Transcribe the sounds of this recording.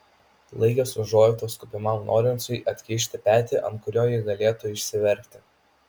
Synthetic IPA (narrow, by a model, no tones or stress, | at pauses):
lˠɐɪkʲosʊʒoːjt̪oːskʊpʲɪmɑmno̰ːɾʲɪnsʊɪʔɐt̪ʲkʲɛɪʃʲt̪ʲɪpʲæːt̪ʲiʔɐ̰nt̪kʊɾʲoːjɪɡɐlʲeːt̪ʊɪʃʲsʲɪʋʲɛɾʲˑkʲt̪ʲɪ̥